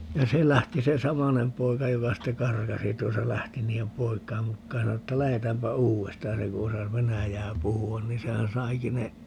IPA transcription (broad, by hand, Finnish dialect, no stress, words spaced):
jɑ se læhti se sɑmɑnem poikɑ jokɑ sitːe kɑrkɑsi tuosɑ læhti niːem poikˑɑim mukːɑːj jɑ sɑno etːæ læhetæːmpæ uːestɑːj jɑ se ku osɑs ʋenæjæː puhuɑn ni sehæn sɑiki ne